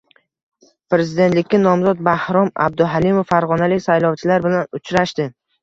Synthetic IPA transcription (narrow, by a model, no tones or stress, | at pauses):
pɾe̞zɪd̪e̞nt̪lɪkʲːanɒmzɒt̪̚bahɾɒma̰b̚d̪ʊɦalimofːaɾʁɒnalɪkʲsajlɒwt͡ʃʰɪlaɾbɪlanʊt͡ʃʰɾaʃt̪ɪ